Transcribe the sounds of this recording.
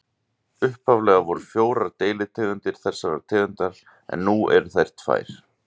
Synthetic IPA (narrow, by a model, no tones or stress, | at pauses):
ʏhphavlɛɣavɔɾʏ̥fjoːwɾaɾt̪eːjlɪt̪ʰɛːɣʏnt̪ɪɾ̥θɛsːaɾa̰ɾt̪ʰɛːɣʏnt̪aɾ | ɛ̰nːuɛ̰ɾθajr̥t̪fa̰ːjɾ̥